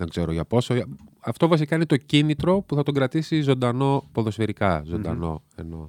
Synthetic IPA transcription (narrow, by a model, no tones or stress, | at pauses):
ðeŋɡz̥e̞ɾoʝɐpo̞soɐft̪o̞vɐsikɐinet̪o̞cinit̪ɾo̞puθɐt̪o̞ɡɾɐt̪isizo̞nd̪ɐno̞poðo̞sfeɾikɐzo̞nd̪ɐ̰no̞̰e̞̰no̞̰